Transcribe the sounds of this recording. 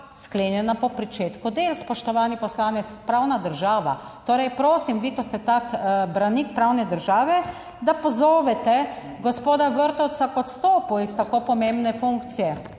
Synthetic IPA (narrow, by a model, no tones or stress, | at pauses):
skleːnjɛnapɔpɾit͡ʃeːt̪kud̪elspɔʃt̪ɔʋaːnipɔslaːnɛt̪spɾawnad̪əɾʒaːʋa̰ | t̪oːɾɛjpɾoːsimʋiːkɔst̪ɛt̪akbɾanik̚pɾawnɛd̪əɾʒaːʋɛ | d̪apɔzoːʋɛt̪ɛ | ɡɔspoːd̪aʋəɾt̪ɔw̪sakɔt̪st̪oːpuist̪akopɔmẽmbnɛfuŋkt̪sijɛ